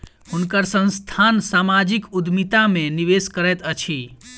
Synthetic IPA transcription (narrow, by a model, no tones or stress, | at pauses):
hunkəɾsə̃nst̪ʰansamad͡ʒikud̪mit̪ameniʋeskəɾɛt̪ət͡ʃʰi